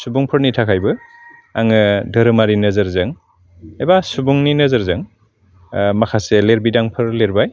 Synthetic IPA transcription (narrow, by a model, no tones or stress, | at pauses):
subuŋpʰɯɾnitʰakʰajbɯaŋɯdʱɯɾɯmaɾinɯzɯɾzɯŋ | ebasubuŋninɯzɐɾzɯŋ | makʰaseleɾbidaŋpʰɯɾleɾbaj